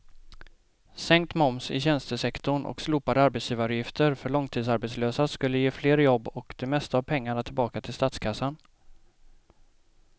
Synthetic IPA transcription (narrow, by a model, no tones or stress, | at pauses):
sɛŋkt̪mɔmsɪ̰ɕɛnst̪əsɛkt̪ʊɳʔɔ̰ksluːpad̪əaɾbɛt̪sjiːvaɾʊjɪft̪ʰəɾfœɭɔŋt̪ʰiːd̪saɾbɛt̪sløːsaskɵlːəjeːfleːɾjɔbːɔkd̪̥ɛmɛst̪aːvpʰɛŋːaɳat̪ʰɪlbɑːkat̪ʰɪlst̪at̪skʰasːan